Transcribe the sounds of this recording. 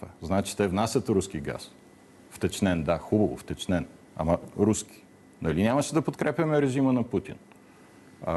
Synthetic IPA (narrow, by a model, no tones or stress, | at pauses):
vaznaɛt͡ʃi̥t̪ɛvnasʲɐt̪ɾuskiɡa̰s | ft̪ɛt͡ʃnɛnd̪axubɐvo̰ft̪ɛt͡ʃnɛn | ɐ̰mɐɾusk̟i̥ | nɐlinʲaməʃɛd̪ɐpot̪kɾɛpʲjɐmɛɾɛʒimənɐput̪ḭn